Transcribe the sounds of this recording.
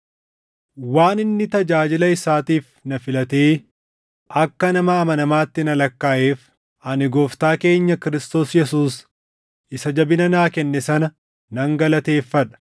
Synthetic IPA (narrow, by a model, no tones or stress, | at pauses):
waːnɪnːɪt̪ɐd͡ʒaːd͡ʒɪlɐɪsaːt̪iːfnɐfɪlɐt̪eː | ʔɐkːɐnɐmɐːmɐnɐmaːt̪ːɪnɐlɐkːaːʔeːf | ɐnɪɡoːft̪aːke̞ːɲːɐkɪɾɪst̪o̞ːsjɛsuːs | ɪsɐd͡ʒɐbɪnɐnaːkɛnːɛsɐnɐ | nɐŋɡɐlɐt̪e̞ːfːɐᶑɐ̥